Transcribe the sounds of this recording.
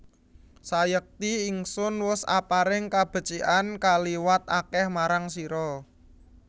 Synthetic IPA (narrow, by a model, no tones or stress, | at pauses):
sajək̚t̪iiŋsʊnwʊsa̰paɾɪŋkab̥ə̤t͡ʃiʔankaliwat̪akɛhmaɾaŋsiɾɔ